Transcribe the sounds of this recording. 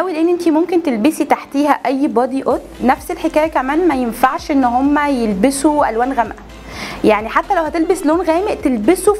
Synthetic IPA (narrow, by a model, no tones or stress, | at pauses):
ʔæwileʔenːʔent̪imomkent̪elbesit̪aħt̪iːhæʔæjːbɑd̪iʔot̪næfselħekæːjækæmæːnmæjenfaʕʃʔenːhomːæjelbesuʔæ̰lwæːnɣæmʔæ | jaʕniħat̪ːælæwhæt̪elbesloːnɣæːmeʔt̪elbesu